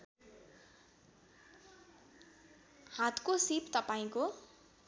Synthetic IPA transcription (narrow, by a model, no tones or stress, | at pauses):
hãt̪kosipt̪ʌpaĩko